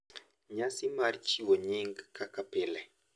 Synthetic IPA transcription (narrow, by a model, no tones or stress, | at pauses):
ɲasimaɾit͡ʃiwoɲeŋɡkakapelɛ